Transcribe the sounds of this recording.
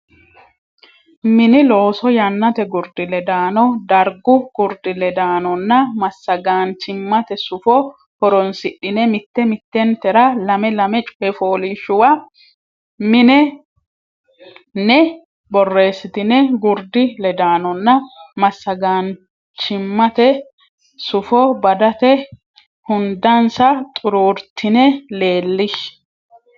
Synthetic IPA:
mɪnɪlo̞ːsɔjɐnːɐt̪ɛɡʊɾd̪ɪlɛd̪aːnɔd̪ɐɾɡʊɡ̥ʊɾd̪ɪlɛd̪aːnɔnːɐmɐsːɐɡaːnt͡ʃɪmːɐt̪ɛsʊfɔ | hɔɾɔnsɪɗːɪnɛmɪt̪ːɛmɪt̪ːɛnt̪ɛɾɐlɐmɛlɐmɛt͡ʃʼʊ̥ɛfoːliːʃːʊwɐ | mɪnɛ | nɛ | bɔrːe̞ːsːɪt̪ɪnɛɡʊɾd̪ɪlɛd̪aːnɔnːɐmɐsːɐɡaːn | t͡ʃɪmːɐt̪ɛ | sʊfɔbɐd̪ɐt̪ɛ | hʊnd̪ɐnsɐt̪ʼʊɾuːɾt̪ʰːɪnɛle̞ːlːɪʃ

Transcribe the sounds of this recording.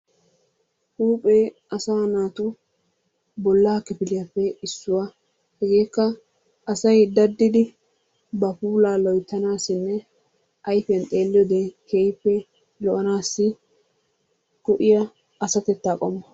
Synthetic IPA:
huːpʼeːʔɐsaːnaːt̪ʊ | bɔlːaːkɪpɪlɪjɐpːɛɪsːʊwa | hɛɡeːkːɐ | ʔːsɐjd̪ɐd̪ːɪd̪ɪ | bɐpuːlaːlɔjt̪ːɐnaːsɪnːɛ | ʔɐjfɛjɐnt̪ʼe̞ːlːɪjɔd̪ekejpːɛ | lɔʔɐnaːsːɪ | kʊʔɪjɐ | ɐsɐt̪ɛt̪ːaːkʼɔmːɐ

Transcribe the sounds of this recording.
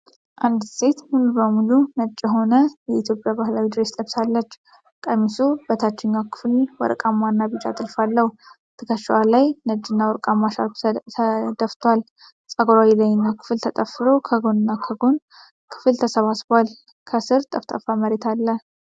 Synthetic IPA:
ʔand̪se̞t̪hunubəmulunət͡ʃʼːɛɦo̞nəjɛit̪ʰjo̞pʼjabahlawid̪ɾe̞st̪ʼəβsalːət͡ʃː | kʼəmisubət̪ʰat͡ʃːɪɲːakʰɨ̥flwɔ̰ɾkʼamːanːabɨt͡ʃʼa̰t̪ʼɨlfalːəhu | t̪ʰɨkəʃwalajnəd͡ʒːɨnːawɔɾkʼamːaʃa̰lkʰəd̪əft̪ʰwal | sʼəɡɾawilaɲːɨnːakʰɨ̥fɨlt̪ʰət̪ʼəfːɨɾo̞kʰəɡo̞nɨnːakʰəɡo̞n | kʰɨ̥fɨlt̪ʰəsəβasbal | kʰəsɨɾt̪ʼəft̪ʼəfaməɾet̪ʰalːə

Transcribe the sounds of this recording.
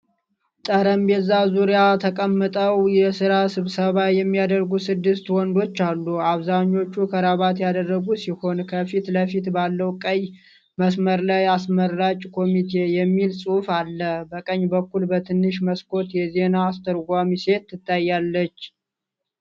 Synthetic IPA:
t̪ʼəɾəmbɛzazuɾijat̪ʰəkʼəmːɨt̪ʼəwjɛsɨɾasɨβsəβajɛmːijad̪əɾɡusɨd̪ːɨst̪wɔnd̪o̞t͡ʃːalːuaβzaɲːo̞t͡ʃːukʰəɾaβat̪jad̪ərːəɡusiho̞nkʰəfit̪ləfit̪balːəwkʼəɲː | məsməɾlajasməɾːat͡ʃʼkʰo̞mit̪ʰe̞jɛmːilsʼufalːəbəkʼəɲːbəkːulbət̪ʰɨnːɨʃməskʰo̞t̪jɛze̞naːst̪ʰəɾɡʷamise̞t̪ːɨt̪ːajːalːət͡ʃː

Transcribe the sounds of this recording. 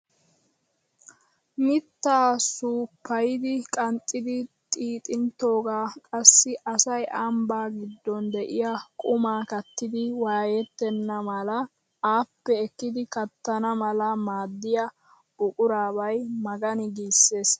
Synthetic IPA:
mɪt̪ːaːsuːpːɐjɪd̪ɪkʼɐnt͡sʼːɪd̪ɪt̪ʼiːt̪ʼɪnt̪o̞ːɡaːkʼɐsːɪʔɐsɐjʔɐmbaːɡɪd̪ːɔnd̪ɛʔɪjɐkʼʊmaːkɐt̪ːɪd̪ɪwaːjɛt̪ːɛnːɐmɐlɐ | aːpːɛɛkːɪd̪ɪkɐt̪ːɐnɐmɐlɐmaːd̪ːɪjɐ | bʊkʼʊɾaːbɐjmɐɡɐnɪɡiːsːe̞ːs

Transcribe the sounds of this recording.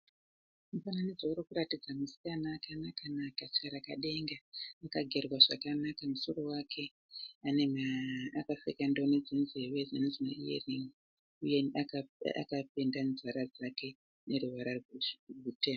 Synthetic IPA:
mufananid͡zauɾokuɾatid͡zamusi̥kanaːkanakanakat͡ʃkaɾakaɗe̞ŋɡaːkaɡʱe̞rwaʐa̰kanakamuso̞ro̞wakʰe̞ | anemaːkasekandooned͡zinzewed͡zanezina̰ḭḛriŋi | uje̞ | a̰kapendanzaɾad͡zake̞ | ne̞ɾuwaɾarrutem

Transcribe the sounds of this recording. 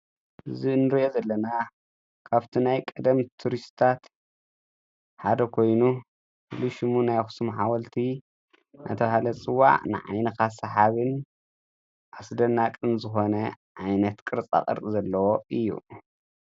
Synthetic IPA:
ɨzinɨɾiʔozɐlːɐna | kʰaβt̪ʰinajkʼɐd̪ɐmt̪ʰuɾist̪t̪ʰat̪ | ħad̪ɐkʰo̞jnu | fɨluʃɨmunajxu̥sɨmħawɐlt̪ʰi | nʔa̰t̪ʰɐβahalɐt͡sʼɨwːa̰ʕnɨ̰ʕa̰jnɐkʰasɐħaβɨn | ʔasd̪ɐnːakʼɨnzɨxo̞nɐ | ʕajnɐt̪kʼɨɾt͡sʼa̰χʼɨ̰ɾt̪ʼizɐlːɐwo̞ɨjːṵ

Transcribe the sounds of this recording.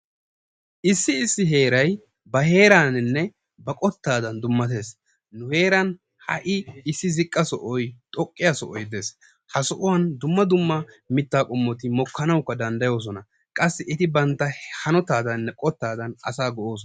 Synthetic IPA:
ʔɪsːɪːsːɪɦe̞ːɾɐj | bɐhe̞ːɾaːnɪnːɛ | bɐkʼɔt̪ːaːd̪ɐnd̪ʊmːɐt̪e̞ːs | nʊhe̞ːɾɐn | hɐ̰ʔɪɪsːɪzɪkʼːɐsɔʔɔjt̪ʼɔkʼːɪjasɔʔɔjd̪e̞ːs | hɐsɔʔʊwɐnd̪ʊmːɐd̪ʊmːɐ | mɪt̪ːaːkʼɔmːɔt̪ɪmɔkʰːɐnɐwkːɐd̪ɐnd̪ɐjo̞ːs̬ɔnɐ | kʼɐsːɪʔɪt̪ɪbɐnt̪ːɐhɐnɔt̪aːd̪ɐnːɛkʼɔt̪ːaːd̪ɐnʔɐ̰saːɡɔʔo̞ːs̬ɔ

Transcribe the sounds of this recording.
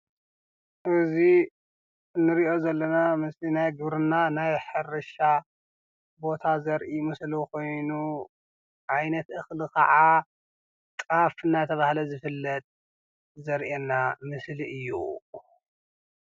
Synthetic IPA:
ʔɨzi | nɨɾiʔo̞zɐlːɐnamɨslinajɡɨβɾɨnanajħɨɾɨʃa | bo̞t̪ʰazɐɾʔimɨslukʰo̞jnu | ʕajnɐt̪ʔɨxlikʰɐ̰ʕa | t̪ʼafɨnːat̪ʰɐβahlɐzɨfɨlːɐt̪ʼ | zɐɾʔenːamɨsliʔɨjːṵ

